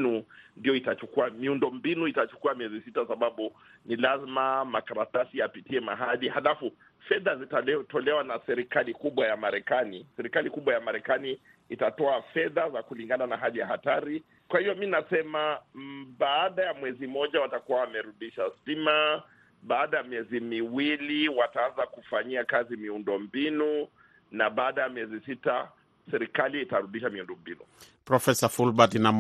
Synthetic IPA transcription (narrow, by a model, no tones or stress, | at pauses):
nundijɔitat͡ʃukuamiundɔmbinuitat͡ʃu̥kuamiɛzisitasaɓaɓu | nilazimamakaɾatasiapitiɛma̰ɦaɗihalafu | fɛðazitaɛtɔlɛwanasɛɾikalikuɓwajamaɾɛkanisɛɾikalikuɓwajamaɾɛkaniː | tatɔafɛðazakuliŋɡananaɦaðijahataɾi | kwahivɔminasɛmaɓaːɗajamwɛzimɔʄawatakuwawamɛɾuɗiʃasima | ɓaːɗajamiɛzimiwiliwataanzakufaɲiakazimiundɔmbinu | naɓaːɗajamiɛzisita | sɛɾikaliːtaɾuɗiʃamiundɔmbinupɾɔfɛsafulbatinam